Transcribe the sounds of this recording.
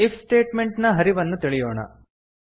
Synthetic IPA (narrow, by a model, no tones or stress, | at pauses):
ifʰsʈe̞ːʈme̞ɳʈnɐɦɐɾiʋɐnːut̪iɭijoːɳɐ̰